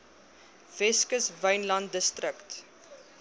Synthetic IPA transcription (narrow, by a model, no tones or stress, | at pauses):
v̥ɛskəsvəjnlɐntdəstrəkt